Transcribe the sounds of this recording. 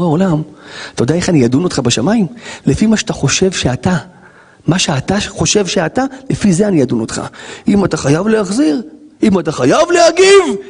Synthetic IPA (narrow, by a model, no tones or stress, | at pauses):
ao̞lamatajodeaeχanijad̪unotχabeʃamaimlefimaʃeataχo̞ʃe̞vʃeata | maʃeat̪aχo̞ʃe̞vʃeatalefize̞anijad̪uno̞t̪χa̰imataχajavleaχziʁimataχajavlehaɡiv